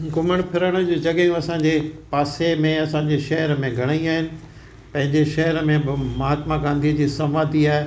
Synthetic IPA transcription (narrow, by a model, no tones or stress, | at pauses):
ɡʊməɽ̃pʰɪɾəɽ̃d͡ʑoːd͡ʑɐɡəjũɐsãɲd͡ʑepaːsemẽɐsãːɲd͡ʑeʃɐɦəɾmẽɡʱɐɽ̃aːĩaːɦɪnɪ̆ | pɐ̃ɦɪ̃ɲd͡ʑeʃɐɦəɾəmẽbɪmɐɦaːt̪maɡãːnd̪ʱiəd͡ʑiːsɐmaːd̪iaːe